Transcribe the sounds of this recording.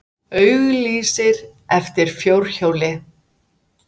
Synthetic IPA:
œɥɣliːsɪɾɛft̪ɪɾ̥fjowɾ̥çoːwlɪ

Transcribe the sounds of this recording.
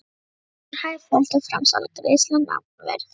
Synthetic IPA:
ɾhaːjɾfɔl̥t̪afɾa̰msa̰lat̪ʰɪlejst̪lant̪a̰ | vɛ̰ɾ

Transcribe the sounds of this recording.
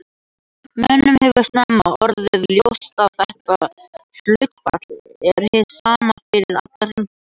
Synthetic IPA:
mɛnːʏmhɛvʏ̥st̪nɛmːaɔɾðɪðljowst̪aðθɛht̪að | θlœɥt̪pa̰t̪lɛɾ̥hɪsaːmanfɪɾɪɾa̰t̪laɾʏm

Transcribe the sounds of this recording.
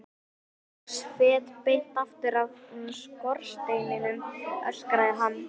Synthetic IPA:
svɛːt̪pejlt̪aft̪ɪɾavnskɔɾ̥st̪eːjmɪnʏmœ̰skɾaðɪɦanː

